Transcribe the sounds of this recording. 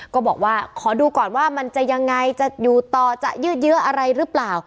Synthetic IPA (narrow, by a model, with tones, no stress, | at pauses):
kɔː˥˩bɔː˨˩k̚waː˥˩kʰɔː˩˦duː˧kɔː˨˩nwaː˥˩ma˧nt͡ɕa˨˩ja˧ŋːa˧jt͡ɕa˨˩juː˨˩t̪ɔː˨˩t͡ɕa̰˨˩ʔjɯː˥˩t̪̚jɯ˦˥ɐʔa˧ɾa˧jɾɯ˦˥plaː˨˩w